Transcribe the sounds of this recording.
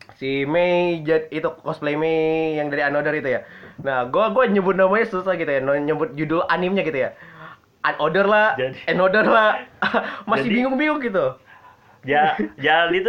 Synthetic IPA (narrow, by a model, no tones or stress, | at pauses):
simed͡ʒait̪ukɔsplemejaŋdaɾianodəɾit̪ujanahɡuaɡuaɲəbʊt̪̚namaɲasut̪akit̪ujanɲəbʊt̪̚d͡ʒudʊlanimɲakit̪uja | ʔanodərlahɛnodərlah | masɪhbiŋʊŋbiŋʊŋɡit̪̬u | d͡ʒad͡ʒadit̪